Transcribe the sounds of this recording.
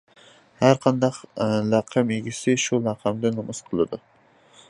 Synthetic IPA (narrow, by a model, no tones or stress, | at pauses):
haɾqʰɑnd̪ɑqlɑqʰɑmeɡʲɪsɪʃʊlɑqʰɑmd̪ɪnʊmɨsqʰɨlˠɪd̪ʊ